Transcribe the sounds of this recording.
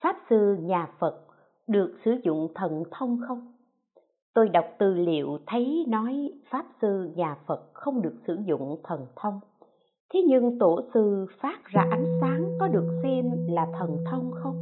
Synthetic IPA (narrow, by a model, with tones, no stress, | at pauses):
faː˦˥p̚sɨ˧ɲaː˨˩fə˨˩t̚ | ɗɨ˨˩ək̚sɨ˧˩zʊ̰˧˨ŋ͡mt̪ʰə˨˩nt̪ʰə˧wŋ͡mxə˧wŋ͡m | t̪o˧jɗa˨˩wk͡p̚t̪ɨ˨˩lḭ˧˨əwt̪ʰə˨˦jnɔ˨˦jfaː˦˥p̚sɨ˧ɲaː˨˩fə˨˩t̚xə˧wŋ͡mɗɨ˨˩ək̚sɨ̰˧˩zʊ̰˧˨ŋ͡mt̪ʰə˨˩nt̪ʰə˧wŋ͡m | t̪ʰe˨˦ɲɨ˧ŋt̪o˧˩sɨ˧˩faː˦˥t̚zaː˧ʔa˨˦jŋ̟saː˨˦ŋkɔ˨˦ɗɨ˨˩ək̚sɛ˧mlaː˨˩t̪ʰə˨˩nt̪ʰə˧wŋ͡mxə˧wŋ͡m